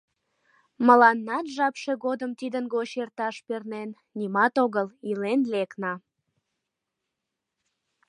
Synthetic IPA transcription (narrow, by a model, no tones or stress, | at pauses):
məlɑnːɑt̪ʒɑpʃe̽ɣod̪əmt̪id̪ənɣoɕert̪ɑʃpernen | nʲimɑt̪oɣəlilenleknɑ